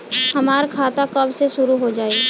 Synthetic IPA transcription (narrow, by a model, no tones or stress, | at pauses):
hɐmaːɾkʰaːt̪akɐbseʃʊɾuɦod͡ʒaːi